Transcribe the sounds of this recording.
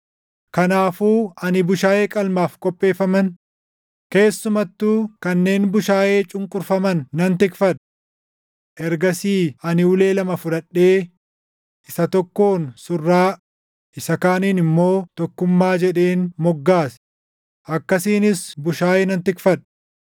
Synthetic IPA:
kɐnaːfuːɐnɪbʊʃaːjeːkʼɐlmaːfkʼɔpʼːe̞ːfɐmɐn | ke̞ːsːʊmɐt̪ːuːkɐnːe̞ːnbʊʃaːje̞ːt͡ʃʼʊŋkʼʊɾfɐmɐnːɐnt̪ɪkfɐᶑ | ʔɛɾɡɐsiːɐnɪʊle̞ːlɐmɐfʊᶑɐᶑːe̞ː | ʔɪsɐt̪ɔkːo̞ːnsʊrːaː | ʔɪsɐkaːniːnɪmːo̞ːt̪ɔkːʊmːaːd͡ʒɛᶑe̞ːnmɔɡːaːs | ʔɐkːɐsiːnɪsbʊʃaːjeːnɐnt̪ɪkfɐᶑ

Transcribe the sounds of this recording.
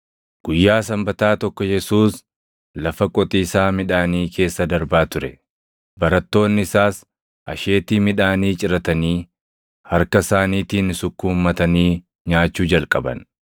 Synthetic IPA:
ɡ̥ʊjːaːsɐmbɐt̪aːt̪ɔkːɔjɛsuːs | lɐfɐkʼɔt̪ʼiːsaːmɪᶑaːniːkʰe̞ːsːɐd̪ɐɾbaːt̪ʊɾɛ | bɐɾɐt̪ːo̞ːnːɪɪsaːs | ʔɐʃe̞ːt̪iːmɪᶑaːniːt͡ʃʼɪɾɐt̪ɐniː | hɐɾkɐsaːniːt̪iːnsʊkːʊmːɐt̪ɐniː | ɲaːt͡ʃːuːd͡ʒɐlkʼɐbɐ̰n

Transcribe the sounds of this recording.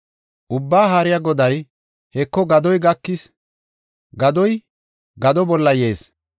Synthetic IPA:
ʔʊbːaːɦaɾɪjaɡɔd̪ɐj | hɛkːɔɡɐd̪ɔjɡɐkːɪs | ɡɐd̪ɔj | ɡɐd̪ɔbɔlːɐje̞ːs

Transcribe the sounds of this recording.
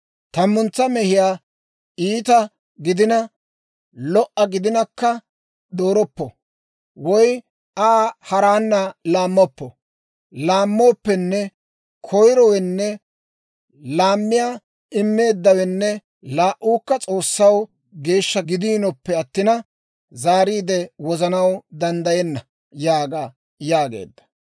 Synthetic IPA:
t̪ɐmːʊnt͡sːɐmɛhɪjaː | iːt̪ɐ | ɡɪd̪ɪnɐ | lɔʔːɐɡɪd̪ɪnɐkːɐ | d̪o̞ːɾɔpːɔ̰ | wɔj | ʔaːhɐɾaːnːɐlaːmːɔpːɔ | laːmːo̞ːpːɛnːɛ | kʰɔjɾɔwɛnːɛ | laːmːɪjaː | ɪmːe̞ːd̪ːɐwɛnːɛ | laːʔːuːkːɐt͡sʼo̞ːsːɐw | ɡe̞ːʃːɐɡɪd̪iːnɔpːɛɐt̪ːɪnɐ | zaːɾiːd̪ɛwɔzɐnɐwd̪ɐnd̪ɐjɛnːɐ | jaːɡa | jaːɡḛːd̪ːɐ̥

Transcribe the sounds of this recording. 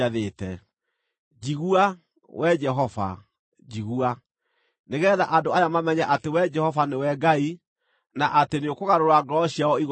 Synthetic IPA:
aðeːtɛ̰ | d͡ʒiɣua | wʔɛd͡ʒɛɦɔva̰ | d͡ʒiɣua | neɣɛðaʔadoajamamɛɲaʔatewɛd͡ʒɛhɔvanewɛɡai | naʔateneokoɣaɾoɾaɡɾɔɕiaɔiɣ

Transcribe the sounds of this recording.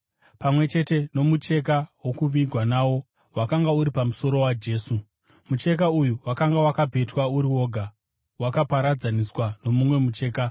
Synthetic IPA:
pamwe̞t͡ʃe̞te̞no̞mut͡ʃe̞k̬awo̞kuʋiɡʱwanawo̞ | wakaŋɡauɾipamuso̞ɾo̞wad͡ʒe̞ːsu | mut͡ʃe̞k̬aujuwakaŋɡawakabʱe̞twauɾiwo̞ːɡʱa | wakapaɾad͡zaniswano̞mumwe̞mut͡ʃe̞ːka

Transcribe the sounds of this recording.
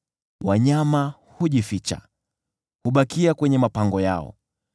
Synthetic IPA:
waɲama | huʄifit͡ʃa̰ | huɓakiakwɛɲɛmapaŋɡɔjaɔ̰

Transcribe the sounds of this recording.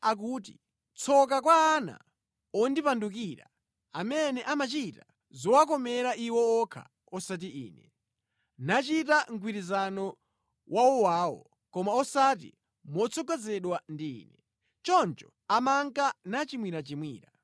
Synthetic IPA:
ak̬uːt̬i | t͡sʰɔkakwaːna̰ | ɔndipandukiɾa̰ | amɛnɛʔamat͡ʃita | zɔwak̬ɔmɛɾaʔiwɔɔkʰa̰ | ɔsat̬iʔḭːnɛ | nat͡ʃitaŋ̩k̬wiɾizanɔ | wʔawɔwaːwɔ̰ | kɔmaɔsatḭ | mɔt͡sʰɔɡɛzɛɗwandḭːnɛ | t͡ʃɔnt͡ʃɔ | amaŋkanat͡ʃimwiɾat͡ʃimwiːɾa

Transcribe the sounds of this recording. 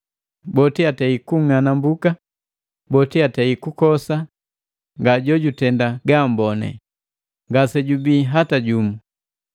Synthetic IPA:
bɔtiatɛikuŋanambuka | bɔtiatɛikukɔsa | ŋɡaɟɔɟutɛndaɡambɔnɛ̰ | ŋɡasɛɟubiːɦataɟumu

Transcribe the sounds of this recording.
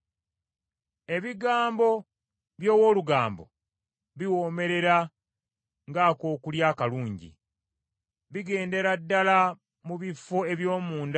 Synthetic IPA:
e̞βiɡaːmbo̞ | βjo̞ːwo̞ːluɡaːmbo̞̰ | βiwo̞ːme̞ɾe̞ɾa | ŋɡaːko̞ːkuljaːkaluːɲɟḭ | βiɡe̞ːnde̞ɾadːala | muβifːo̞e̞βjo̞ːmuːnd

